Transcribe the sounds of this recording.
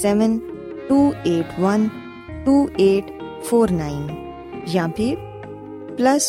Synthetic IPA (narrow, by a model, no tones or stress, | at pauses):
sɛʋən | ʈuːeːʈʋɐn | ʈuːeːʈ | fʰoːɾnaːɪn | jãːpi | plɐs